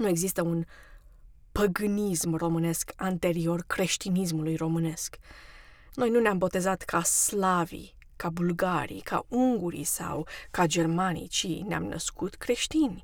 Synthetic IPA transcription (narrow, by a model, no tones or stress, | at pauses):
nue̞ɡzist̪əun | pəɡɨnismro̞mɨne̞skant̪e̞ɾio̞rkɾe̞ʃt̪inis̬mulujro̞mɨne̞sk | no̞jnuneambo̞t̪e̞zat̪kʰaslavḭ | kabulɡaɾḭkʰa̰uŋɡuɾḭsa̰wkad͡ʒe̞rmanḭt͡ʃinea̰mnʔə̰skʰut̪kɾe̞ʃt̪inʲ